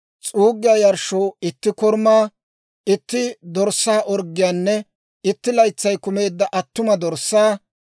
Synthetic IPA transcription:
t͡sʼuːɡːɪjaːjɐɾʃoːɪt̪ːɪkɔɾmaː | ɪt̪ːɪd̪ɔɾsːaːʔɔɾɡːɪjaːnːɛ | ɪt̪ːɪlɐjt͡sːɐjkʊme̞ːd̪ːɐʔɐt̪ːʊmɐd̪ɔɾsːaː

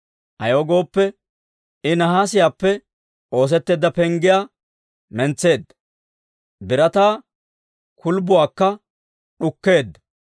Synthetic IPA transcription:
ʔɐjoːɡo̞ːpːɛ | ɪnɐɦaːsɪjaːpːɛ | o̞ːs̬ɛt̪ːeːd̪ːɐpɛŋɡɪjaː | mɛnt͡sːe̞ːd̪ːɐ̥ | bɪɾɐt̪aː | kʊlbʊwaːkːɐ | ɗʊkːe̞ːd̪ːɐ̥

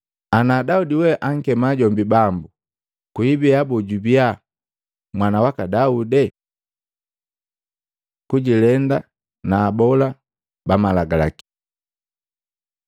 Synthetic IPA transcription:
anaːdaudiwɛʔaŋ̩kɛmaɟɔmbibambu | kuibiabɔɟubia | mwanawakadaudɛ | kuɟilɛnda | naːbɔla | bamalaɡala̰ki̥

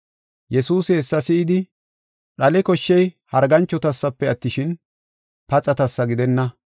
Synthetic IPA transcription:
jɛsuːsɪhɛsːɐsɪɪd̪ɪ | ɗɐlɛkɔʃːɛjhɐɾɡɐnt͡ʃːɔt̪ɐsːɐpːɛɐt̪ːɪʃɪn | pɐt͡sʼɐt̪ɐsːɐɡɪd̪ɛnːɐ

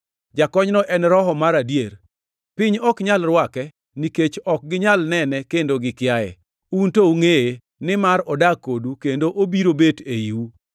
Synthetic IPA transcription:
d͡ʒakɔɲnɔʔɛnɾɔɦɔmaɾadjeɾ | pɪɲɔkɲalrwakɛ | niket͡ʃɔk̚ɡɪɲalnɛnɛkendoɡɪkɪjajɛ̰ | untouŋeje | nɪmaɾɔdakodukendoʔobiɾobeteiwu

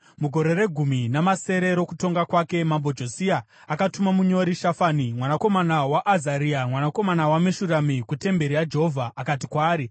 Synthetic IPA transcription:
muɡʱo̞ɾe̞ɾe̞ɡʱuminamase̞ɾe̞ɾo̞kuto̞ŋɡakwake̞mambod͡ʒo̞siaː | katumamuɲo̞ɾiʃafaːnimwanako̞manawaʔːzaɾiamwanako̞manawameʃuramikute̞mbe̞ɾiad͡ʒeɦovʱaʔakat̬ikwaːɾi

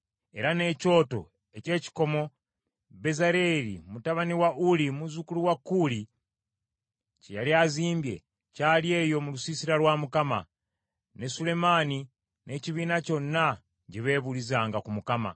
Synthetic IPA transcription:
e̞ɾane̞co̞ːto̞̰ | e̞ce̞ːci̥ko̞mo̞ | βe̞zaɾe̞ɾḭmutaβaniwaʔulimuzukuluwakːuli | cejaliaziːmbje̞̰ | caːlje̞ːjo̞mulusisiɾalwaːmukama̰ | nesule̞maːni | ne̞ciβiːnaco̞nːa | ɟiβe̞βulizaːŋɡakumukama̰

